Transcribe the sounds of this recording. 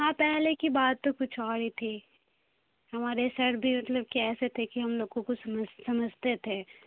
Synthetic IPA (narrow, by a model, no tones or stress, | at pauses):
ɦãːpɛɦlekibaːt̪̚t̪okʊt͡ʃʰaːɽit̪ʰi | ɦɐmaːɾesɐɾbʱimɐt̪ləb̚kiɛːset̪ʰekiɦɐmloːɡõkosɐməd͡ʒsɐməd͡ʒʱt̪et̪ʰeː